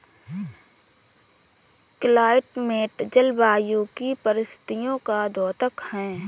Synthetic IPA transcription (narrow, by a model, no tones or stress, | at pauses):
klaːɪʈmeːʈd͡ʒəlbaːjukipəɾɪst̪ʰɪ̥t̪ijõkad̪ɔːt̪əkhɛ̃ː